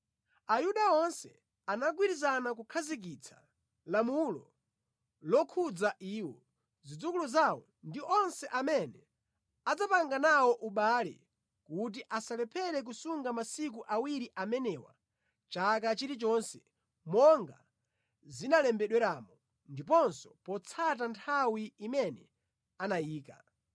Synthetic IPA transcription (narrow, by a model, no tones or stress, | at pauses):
ajuɗaɔnsɛ̰ | anaɡwiɾizanak̬ukʰazik̬it͡sʰḁ̰ | lamulɔ̰ | lɔkʰud͡zaʔiːwɔ | zid͡zukulɔzawɔ | ndiʔɔnsɛʔamɛnɛ | ad͡zapaŋɡanawɔʔuɓalɛ̰ | kut̬iʔasalɛpʰɛɾɛk̬usuŋɡamasik̬uʔawiɾiʔamɛnɛwa̰ | t͡ʃak̬at͡ʃiɾit͡ʃɔnsɛ | mɔŋɡa̰ | zinalɛmbɛɗwɛɾamɔ | ndip̬ɔnsɔpɔt͡sʰat̬antʰawiimɛnɛ | anajiːka̰